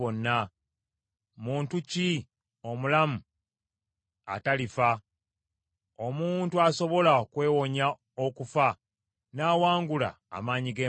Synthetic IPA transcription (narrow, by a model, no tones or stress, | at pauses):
onːa | muːntuci | o̞mulamu | a̰talifa | o̞muːntuaso̞βo̞lakwe̞ːwo̞ɲa | o̞kufa | naːwaːŋɡula̰ːmaːɲiɡeː